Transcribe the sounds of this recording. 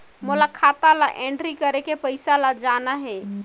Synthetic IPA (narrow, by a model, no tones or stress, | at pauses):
molakʰat̪alaʔẽɳɖɾikəɾekepəjsalad͡ʒanaɦɛ